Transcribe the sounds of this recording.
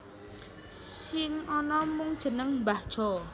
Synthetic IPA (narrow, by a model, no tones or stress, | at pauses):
sɪŋɔnɔmʊŋd̥ʒ̥ə̤nəŋmbahʒ̥ɔ